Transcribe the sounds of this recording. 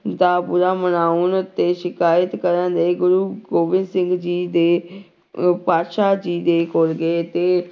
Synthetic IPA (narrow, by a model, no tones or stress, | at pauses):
d̪aːpʊɾaːmənaːʊnʊt̪ːeːʃɪkaːət̪kəɾənd̪eːɡʊɾuːɡoːʋɪ̃nd̪sɪ̃ŋɡd͡ʒiːd̪eː | paːt̪ʃaːd͡ʒiːd̪eːkoːlɡet̪eː